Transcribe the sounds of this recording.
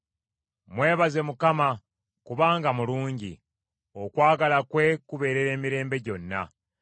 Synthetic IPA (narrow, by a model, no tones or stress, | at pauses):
mwe̞ːβaze̞mukama | kuβaːŋɡamuluːɲɟḭ | o̞kwaːɡalakwe̞kuβe̞ːɾeɾe̞ːmiɾe̞ːmbe̞ɟo̞nːa̰